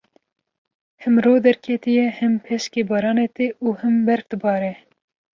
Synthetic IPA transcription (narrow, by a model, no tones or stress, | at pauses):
hɨmɾoːd̪ɛɾkʰɛt̪ijɛhɨmpʰɛʃkeːbɑːɾɑːneːt̪eʔuːhɨmbɛɾfd̪ɨbɑːɾɛ